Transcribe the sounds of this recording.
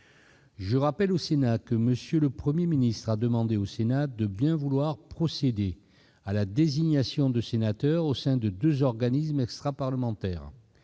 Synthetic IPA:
ʒəʁapɛlosenakəməsjələpχəmjeminist̪χad̪əmɑ̃d̪eosenad̪əbjɛ̃vulwaʁpχɔsed̪e | alad̪eziɲasjɔ̃d̪əsenat̪œʁosɛ̃d̪əd̪øzɔʁɡanismɛkst̪χapaʁləmɑ̃t̪ɛ̰ːʁ

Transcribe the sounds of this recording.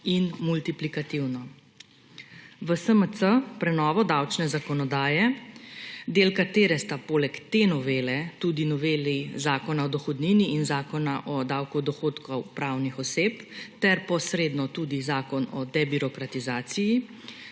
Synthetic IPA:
inmult̪iplikat̪iwnɔ | ʋəsəməsəpɾɛnɔːʋɔd̪awt͡ʃnɛzakɔnɔd̪aːjɛ | d̪eːlkat̪eːɾɛst̪apoːlɛkt̪enɔʋeːlɛt̪ud̪inɔʋeːlizaːkɔnaɔd̪ɔxɔd̪niːniːnzaːkɔnaʔɔd̪awkud̪ɔxoːt̪kɔwpɾawnixɔseːpt̪ɛɾpɔsɾeːd̪nɔt̪uːd̪izaːkɔnɔ̰d̪ɛbiɾɔkɾat̪izaːsiji

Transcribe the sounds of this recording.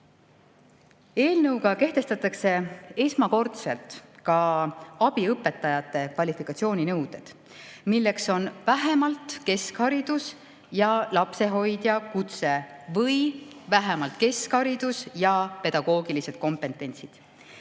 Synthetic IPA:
e̞ːlnɤwɡɑke̞ht̪e̞st̪ɑt̪ːˑɑkse̞e̞smɑko̞rt̪se̞lt̪ˑkɑɑb̥iɤpːˑe̞t̪ːˑɑjɑt̪ːˑe̞kvɑlʲifikːˑɑt̪sio̞ːnʲinɤwd̪̥e̞d̪̥ | milːe̞kso̞nvæɦe̞mɑlt̪ˑke̞skhɑɾid̪̥us | jɑlɑpse̞ɦo̞jd̪̥jɑkut̪se̞vɤjvæɦemɑlt̪̚ke̞skhɑɾid̪̥usjɑpe̞d̪̥ɑɡ̥o̞ːɡilise̞d̪̥̚ko̞mpe̞nt̪ːˑe̞nʲsid̪̥

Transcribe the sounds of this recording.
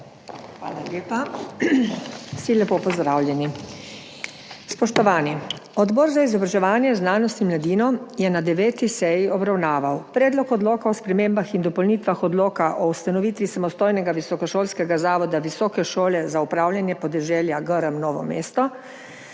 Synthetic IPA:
xʋa̰ːlalʲjeːpa | silɛpoːpɔzd̪ɾaːwljɛni | spɔʃt̪ɔʋaːniɔd̪bɔɾzaizɔbɾaʒɛʋaːnjɛznaːnɔst̪imlad̪iːnɔjɛnad̪ɛʋeːt̪isɛjiɔbɾawnaːʋawpɾɛːd̪lɔkɔd̪loːkaɔspɾɛmeːmbaxind̪ɔpɔlniːt̪ʋaxɔd̪loːkaʔɔust̪anɔʋiːt̪ʋisamɔst̪oːjnɛɡaʋisɔkɔʃoːlskɛɡazaːʋɔd̪aʋisɔːkɛʃoːlɛzaupɾaːwlʲjanjɛpɔd̪ɛʒɛːljaɡəɾəmnɔːʋɔ̰meːst̪ɔ

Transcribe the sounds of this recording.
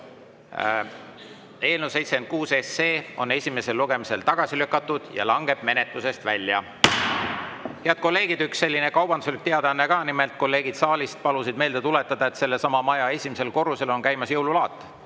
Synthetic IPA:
e̞ːlnuse̞jt̪sekend̪̚kuːse̞sːe̞ːo̞̰ne̞sʲime̞se̞lːuɡ̥e̞mise̞lt̪ɑɡ̥ɑsilykːˑɑt̪ːˑud̪̥jɑ̰lɑŋɡe̞b̥me̞net̪luse̞st̪vælʲːjɑ̰ | heɑd̪̥̚ko̞lːe̞ːɡ̥id̪yksːe̞lʲːinekɑwbɑnd̪uselik̚t̪eɑd̪ɑɑnːekɑːnimelt̪̚ˑko̞lːe̞ːɡ̥id̪̥sɑːlʲist̪̚pɑlusid̪̚me̞ːld̪̥e̞t̪ule̞t̪ːˑɑd̪̥ɑet̪se̞lːe̞sɑmɑmɑjɑe̞sʲimise̞lko̞rːuse̞lo̞nkæjmɑsjɤwlulɑːt̪ːˑ

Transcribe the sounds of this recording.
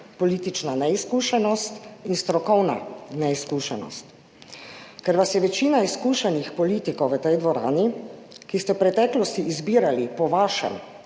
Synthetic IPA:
pɔliːt̪it͡ʃnanɛiskuːʃɛnɔst̪inst̪ɾɔkɔwna̰nɛiskuːʃɛnɔ̰st̪ | kɛɾʋasjɛʋɛt͡ʃiːnaiskuːʃɛnixpɔliːt̪ikɔwʋət̪ɛjd̪ʋɔɾa̰ːnikist̪ɛwpɾɛt̪ɛːklɔst̪iʔizbiːɾalipɔʋaːʃɛ̰m

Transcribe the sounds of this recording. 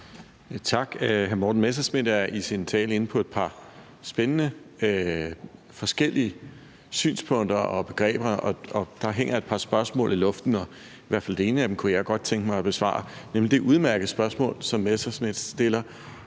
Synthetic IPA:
t͡sʰɑ̈ɡ̥ɦæɐmɔːd̥n̩mesɐsmed̥æɐisint͡sʰɛ̰ːle̝n̩pʰɒ̽e̝d̥pʰɑ̈ | sb̥enənə | fɒ̽sɡ̥el̰iə | sy̰ːnspʰɔ̽ŋ̰d̥ɐɒ̽b̥e̝ɡ̥ʁɛ̰ːb̥ɐɒ̽ɒ̽d̥ɑ̈ɦeŋ̰ɐe̝d̥̚pʰɑ̈sb̥ɶɐsmɔ̰̽ːlilɔ̽fd̥n̩ɒ̽ | iʋæɐ̰fæld̥e̝e̝ːnəæd̥emkʰujɑ̈ɪɡ̥ɒ̽d̥̚t͡sʰeŋɡ̥əmɑ̈ɪɒ̽b̥e̝sʋɑ̰̈ːɑnemlid̥e̝ʔuð̞ˠmæɐɡ̥ð̩ˠsb̥ɶɐsmɔ̰̽ːlsɒ̽mːesɐsme̝d̥d̥e̝lɐ

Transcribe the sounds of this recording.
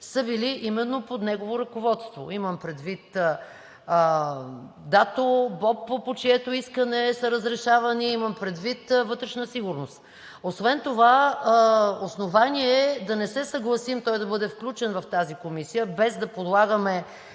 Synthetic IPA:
səbiliʔimɛnːopod̪nɛɡovoɾɐkovɔt̪st̪vo̰iməmpɾɛd̪vit̪ː | d̪at̪obɔpːpot͡ʃiɛt̪oiskənɛsɐɾəzɾɛʃavɐniimɐmpɾɛd̪vit̪vɤt̪ɾɛʃnəsiɡʊɾnost̪ | osvɛnt̪ova | osnovanʲiɛɛd̪ɐnɛsɛsəɡlˠɐsimt̪ɔjd̪ɐbɤd̪ɛfklʲut͡ʃɛnvɐft̪azikomisijəbɛzd̪ɐpod̪lˠaɡəmɛ

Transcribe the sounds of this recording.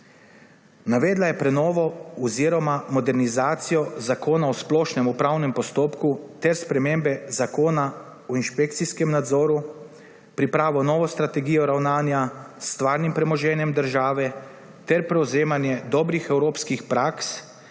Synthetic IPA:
naʋɛːd̪lajɛpɾɛnɔːʋɔɔziːɾɔmamɔd̪ɛɾnizaːt̪sijɔzakoːnaɔsplɔːʃnɛmupɾawnɛmpɔst̪oːpkut̪ɛɾspɾɛmembɛzakoːna | ɔinʃpek̚t̪siskɛmnad̪zɔːɾu | pɾipɾaːʋɔnɔːʋɔst̪ɾat̪ɛɡiːjɔɾawnaːnjasːt̪ʋaːɾnimpɾɛmɔʒɛːnjɛmd̪əɾʒaːʋɛ | t̪ɛɾpɾɛwzeːmanjɛd̪ɔːbɾixɛwɾoːpskixpɾaːks

